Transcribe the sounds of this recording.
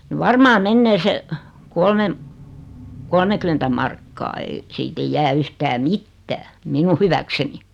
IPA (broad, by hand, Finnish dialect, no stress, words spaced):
ni ʋɑrmɑː menːeː se kolmem kolmekymentæ mɑrkːɑː ei siːt eij jæː yhtæː mitːæː minu hyʋækseni